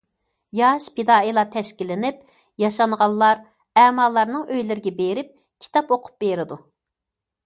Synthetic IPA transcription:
jɑʃped̪ɑːilˠɑt̪ʰɛʃkʲilːɪnɪp | jɑʃɑɴʁɑlˠːɑɾ | ɛːmɑlˠːɑɾnɨŋøjlɪɾɪɡʲɛbeɾɪp̚ | kʲʰi̥t̪ʰɑpoqʰʊ̥p̚beɾɪd̪u

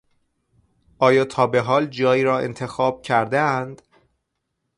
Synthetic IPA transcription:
ʔɒːjɒːt̪ʰɒːbe̞ɦɒːld͡ʒɒːjiːɾɒːḛnt̪ʰe̞xɒːb̥̚cʰæɾd̪eænd̪̥

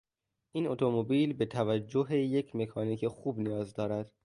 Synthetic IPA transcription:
ʔiːno̞t̪ʰo̞mobiːlbe̞t̪ʰævæd͡ʒːoɦe̞je̞kʰme̞kʰɒːniːkʰexuːbnijɒːzd̪ɒːɾæd̪̥

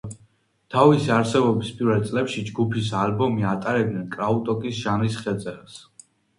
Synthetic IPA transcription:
t̪ʰavisaɾsɛbɔbispʼiɾvɛlt̪sʼlɛpʃid͡ʒɡupʰisalbɔmiat̪ʼaɾɛb̚d̪ɛnkʼɾaut̪ʼɔkʼisʒanisχɛt̪sʼɛɾas

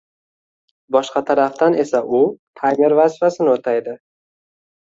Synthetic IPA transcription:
bɒʃqɑt̪ʰaɾaft̪ane̞saʔʊt̪ʰajme̞ɾvazɪfasɪnɪot̪ʰajd̪ɪ

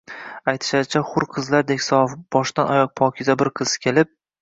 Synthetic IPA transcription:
ajt̪ʰɪ̥ʃad̪ɪt͡ʃʰaχʊɾqʰɨzlaɾd̪e̞kʲsɒfb̥ɒʃt̪anɒjɒq̚pʰɒkʲʰɪzabɪɾqʰɨz̥ɪ̥kʲʰe̞lɪp̚

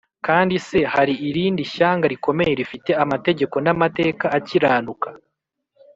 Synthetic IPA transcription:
kaːndise̞haɾiʔiɾiːndiʃaːŋɡaɾiko̞me̞je̞ɾifite̞amate̞ɟe̞ko̞namate̞ːkaaciɾaːnukḁ

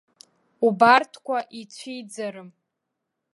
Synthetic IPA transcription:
ubartʰkʷʰaʔit͡ɕʷʰijd͡zaɾɨm

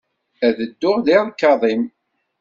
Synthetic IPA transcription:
æðəd̪ːʊʁðiʁnkːɑðˤim

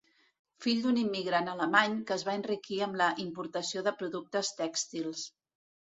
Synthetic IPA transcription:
fiʎd̪unimːiɣɾanələmaɲkəːzβaənrikiəmləʔimpuɾt̪əsioðəpɾuðuk̚t̪əst̪ɛkst̪ilˠs

